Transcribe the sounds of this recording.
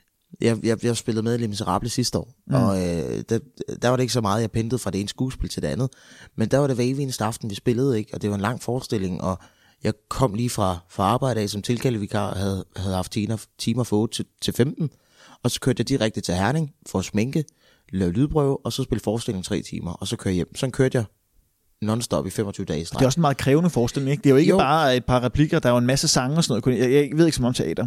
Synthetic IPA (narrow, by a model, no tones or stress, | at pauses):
jɑjɑjɑ̈sb̥e̝l̰ð̩ˠmeðˠlemis̬eʁɑ̈ːb̥ləsisd̥əɒ̰ːɒ̽ød̥æd̥æɐʋɑ̈ɾee̝ɡ̥sɒ̽mɑ̈ːð̞̩ˠjɑ̈ɪpʰend̥ð̩ˠfʁɑ̈d̥ee̝ːnəsɡ̥ṵːsb̥e̝lt͡sʰed̥e̝ænð̩ˠmend̥æɐʋɑ̈ɾ̥e̝ʋeʋiːnəsd̥əɑ̈fd̥n̩ʋisb̥e̝lð̞̩ˠe̝ɡ̥əɒ̽d̥e̝ʋɑ̈e̝nlɑ̈ŋ̰fɒːsd̥e̝l̰e̝ŋʔɒ̽ | jɑ̈ɪkʰɒ̽m̰liːfʁɑ̈fʁɑ̈ɑ̈ːb̥ɑ̈ɪdɾəɛ̰ːsɒ̽mt͡sʰe̝lkʰæləʋikʰɑ̰̈hæð̩ˠhæðˠhɑ̈fd̥t͡sʰiːnɐt͡sʰiːmɐfɔd̥t͡sʰe̝lfemd̥n̩ | ɒ̽sɒ̥kʰøɐd̥jɑɪd̥iʁaɡ̥̚d̥ət͡sʰe̝lɦæɐne̝ŋfɒ̽ːsmeŋɡ̥ə | lɛʊlyð̞ˠb̥ʁœʊ̰ɒ̽sɒ̽sb̥e̝ld̥fɒːsd̥ele̝ŋ̩t͡sʰʁɛ̰ːt͡sʰḭːmɐɒ̽sɒ̽kʰøɐ̰jem̰sɒ̽nkʰøɐd̥jɑ̈ɪ | nɔnsd̥ɒ̽b̥ifem̰ɒt͡sʰyːʊəd̥ɛ̰ːsd̥ʁɑeɒsenmɑ̈ːð̩ˠkʰʁɛːʊnəfɒːsd̥e̝le̝ŋeɡ̥̚d̥eæjoe̝ɡ̥əbɑ̈ːed̥̚pʰɑ̈ʁɑpʰliɡ̥ɐd̥ɑ̈oe̝nmæsəsɑ̈ŋəɒsɒnɔ̽ð̩ˠkʰonjjʋe̝ðˠeɡsmɒ̽mt͡sʰeɛ̰ːd̥ɐ